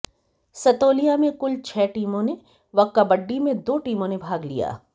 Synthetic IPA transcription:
sɐt̪oːlijamẽkʊlt͡ʃʰɛːʈiːmõne | ʋɐkːabəɖːimẽd̪oːʈiːmõnebʱaːɡlḭja̰ː

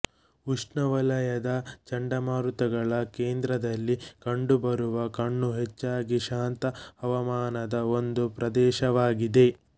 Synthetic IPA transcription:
uʂɳɐʋɐlɐjɐd̪ɐt͡ʃɐɳɖɐmaːɾut̪ɐɡɐɭɐkeːnd̪ɾɐd̪ɐlːikɐɳɖubɐɾuʋɐkɐɳːuɦet͡ʃːaːɡiʃaːnt̪ɐɐʋɐmaːnɐd̪ɐo̞nd̪upɾɐd̪ɛːʃɐʋaːɡid̪e̞

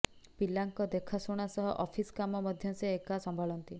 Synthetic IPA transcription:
pilaŋkɔd̪ekʰasoɽ̃asɔɦɔʔɔpʰiskamɔmɔd̪ʱjɔnseekasɔmbʱaɭɔnt̪i

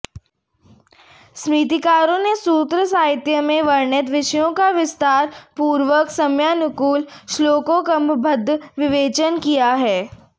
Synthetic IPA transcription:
smiːt̪̬ikaːɾõnesuːt̪ɾəsaːɦɪt̪jəmẽʋɐɾɳət̪̬ʋɪʃjõkaʋɪst̪aːɾpuːɾʋəksɐmjaːnʊkuːlʃloːkokɐmbbʱəd̪ʱʋɪʋeːt͡ʃənkijaɦɛː

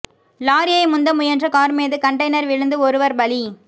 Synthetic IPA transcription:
laːɾɪjɐɪmʊnd̪ɐmʊjɐndrɐkaːɾmeːðɯkɐɳʈɐɪnɐɾʋɪɻɯnd̪ɯɔɾɯʋɐɾbɐli

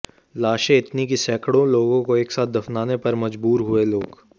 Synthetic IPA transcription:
laːʃẽɪt̪nikisɛːkɽõloːɡõkoeːksaːt̪̚ʰd̪ɐfnaːnepɐɾmɐd͡ʒbuːɾɦʊeloːɡ

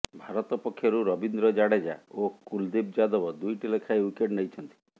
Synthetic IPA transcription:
bʱaɾɔt̪ɔpɔkʰːjɔɾuɾɔbind̪ɾɔd͡ʒaɽed͡ʒaokuld̪ib̚d͡ʒad̪ɔbɔd̪ujʈilekʰaeukeʈnejt͡ʃʰɔnt̪i̥

